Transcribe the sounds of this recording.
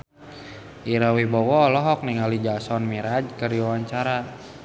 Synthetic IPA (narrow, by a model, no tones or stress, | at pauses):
ʔiɾawibɔwɔlɔɦɔk̚niŋalid͡ʒasɔnmiɾad͡ʒkəriwawaɲt͡ʃaɾa